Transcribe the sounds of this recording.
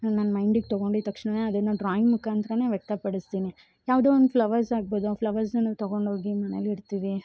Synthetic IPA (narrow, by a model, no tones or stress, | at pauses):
nanːmɐjɳɖiɡ̚t̪ɐɡo̞ɳɖit̪ɐkʂɳɐne̞ːɐd̪ɐnːuɖɾaːjimmukːaːnt̪ɾɐne̞ːʋjɛk̚t̪ɐpɐɽist̪iːni | jaːʋd̪oːond̪upʰlɐʋɐɾsaːɡ̚boːd̪uplɐʋɐɾsnaːʋt̪ɐɡo̞ɳɖɦoːɡimɐneliɾt̪iːʋi